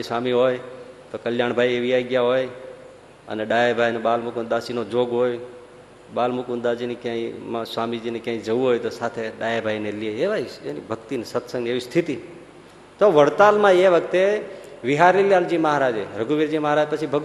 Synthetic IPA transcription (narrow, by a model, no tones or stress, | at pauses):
isʋamiɦojt̪okəljaɳ̃bʱaieʋiaiɡjaɦoj | ə̰neɖajebʱajneɓalmʊkund̪asinod͡ʒoɡɦoj | ɓalmukʊ̃nd̪ad͡ʒinekjãĩmãsʋamid͡ʒinekjãĩd͡ʒəʋũɦojt̪osat̪ʰeɗajabʱajnelieeʋaienibʱəɡt̪inesət̪sə̃ŋɡeʋist̪ʰit̪i | t̪oʋəɽt̪almãeʋək̚t̪eʋɪɦaɾiljald͡ʒiməɦaɾad͡ʒeɾəɡuʋiɾd͡ʒiməɦaɾad͡ʒpət͡ʃʰibʱəɡ